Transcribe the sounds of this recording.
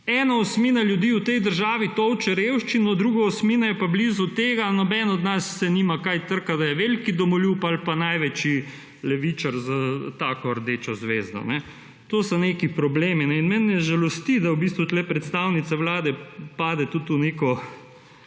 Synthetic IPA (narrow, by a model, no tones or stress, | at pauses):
ɛːnaɔsmiːnaljud̪iːut̪ɛjd̪əɾʒaːʋit̪ɔwt͡ʃɛɾewʃt͡ʃinɔd̪ɾuɡaɔsmiːnajɛpablizɔt̪eːɡanɔbɛnɔd̪nasːɛniːmakajt̪əɾkad̪ajɛʋelkid̪ɔmɔluːpalpanajʋɛt͡ʃi | lɛʋit͡ʃaɾzat̪aːkɔɾd̪et͡ʃɔzʋeːzd̪ɔ̰nɛ | t̪oːsɐnekipɾɔbleːminɛinmɛnjɛʒɛlɔst̪id̪awbist̪ʋut̪lɛpɾɛt̪st̪awnit̪sɛwlaːd̪ɛpaːd̪ɛt̪ut̪uneːkɔ